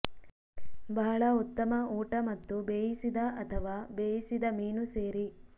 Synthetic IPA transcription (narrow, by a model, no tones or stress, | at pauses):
bɐɦɐɭɐut̪ːɐmɐuːʈɐmɐt̪ːubeːjisid̪ɐɐt̪ʰɐʋaːbeːjisid̪ɐmiːnuseːɾi